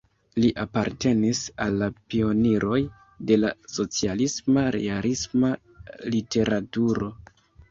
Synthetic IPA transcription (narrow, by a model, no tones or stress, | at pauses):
liʔapaɾte̞nisalːapio̞niɾo̞j | de̞laso̞t͡sialismaɾe̞̰alisma | lite̞ɾatuɾo̞